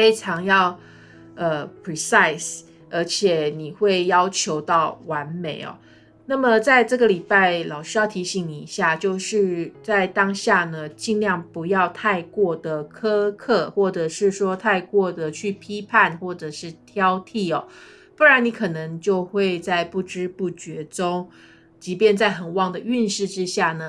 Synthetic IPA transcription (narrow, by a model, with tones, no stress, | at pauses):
fe˥ɪʈ͡ʂʰɑ˧˥ŋjɑ˥˧ʊ | ə˨˩pʰɹi˨˧sa˥˩ɪs | ə˧˥t͡ɕʰjɛ˨˩ni˨˩xwe˥˩ɪjɑ˥ʊt͡ɕʰjo˧˥ʊt̪ɑ˥˩ʊwa˧˦nme˨˩˦ɪɔ̰˩ | na˥˩mə˨t͡sa˥˧ɪʈ͡ʂɤ˥˩ɡə˨li˨˩pa˥˩ɪlɑ˨˩ʊʂy˧˥jɑ˥˩ʊt̪ʰi˧˥ɕi˧˥ŋni˨˩i˧˦˥ɕja˥˩t͡ɕjo˥˧ʊʂɻ̩˥˧t͡sa˥˩ɪt̪ɑ˥ŋɕja˥˩nə˩t͡ɕi˥˧ŋljɑ˥˩ŋpu˧˥jɑ˥˧ʊt̪ʰa˥˧ɪkwɔ˥˩d̪ə˩kʰɤ˥kʰɤ˥˧xwɔ˥˩ʈ͡ʂɤ˨˩ʂɻ̩˥˩ʂwɔ˥t̪ʰa˥˧ɪkwɔ˥˩d̪ə˩t͡ɕʰy˥˩pʰi˥pʰa˥˧nxwɔ˥˩ʈ͡ʂɤ˨˩ʂɻ̩˥˩t̪ʰjɑ˥ʊt̪ʰi˥˩ɔ˨˩ | fu˥ɻa˧˥ni˧˥kʰɤ˨˩nɤ˧˥ŋt͡ɕjo˥˧ʊxwe˥˧ɪt͡sa˥˧ɪpu˥˩ʈ͡ʂɻ̩˥pu˥˩t͡ɕɥɛ˧˥ʈ͡ʂʊ˥ŋ | t͡ɕi˧˥pjɛ˥˧nt͡sa˥˩ɪxə˨˩nwɑ˥˩ŋd̪ə˩y˥˧nʂɻ̩˥˩ʈ͡ʂɻ̩˥ɕja˥˩nə˩